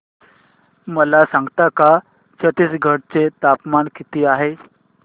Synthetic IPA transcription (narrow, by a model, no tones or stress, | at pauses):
məlasãŋɡt̪aka | t͡ɕət̪isɡʱəɽt͡set̪apmankit̪iːaɦe